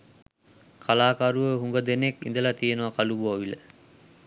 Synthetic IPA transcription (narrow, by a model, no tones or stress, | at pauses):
kʰalaːkaɾuʋəɦuŋɡəd̪enekḭnd̪əlat̪ijenuʋɐkaluboːʋilə